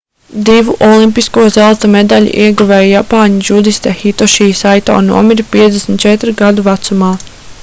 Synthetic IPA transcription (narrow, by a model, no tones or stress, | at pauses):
d̪ivuʔɔlˠimpiskuɔzalˠt̪ɐmed̪aʎḭʔiɛɡuvɛjjapaːɲid͡ʒud̪ist̪ɛxit̪ɔʃiːsajt̪ɔ̰ːnṵɔmiɾipiɛt̪d̪esmʲt̪̚t͡ʃɛt̪ɾɡad̪uvat̪sumaː